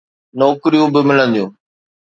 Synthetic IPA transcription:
nɔːkɪɾijũbɪmɪlə̃nd̪ijũː

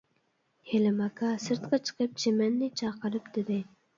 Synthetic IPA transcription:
helɪmɑkʰɑsɨɾt̪qʰɑt͡ʃʰə̥qəp̚t͡ʃʰemɛnːɪt͡ʃʰɑqəɾɨpd̪ɪd̪ɪ

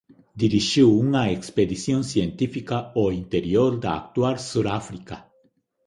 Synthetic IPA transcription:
d̪iɾiʃiwuŋaeksped̪isjonsjent̪ifikaoint̪eɾioɾd̪aa̰k̚t̪waɾsuɾafɾika

